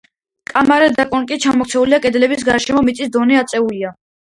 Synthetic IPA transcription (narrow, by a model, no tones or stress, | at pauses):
kʼamaɾɛd̪akʼɔnkʼit͡ʃʰamɔkʰt̪sʰɛuliakʼɛd̪lɛbis̬ɡaɾʃɛmɔmit̪sʼisd̪ɔnɛat̪sʼɛulia